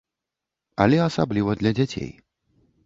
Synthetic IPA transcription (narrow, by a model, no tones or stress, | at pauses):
ɐlʲɛasablʲivɐd̪lʲɐd͡zʲat͡sʲḛj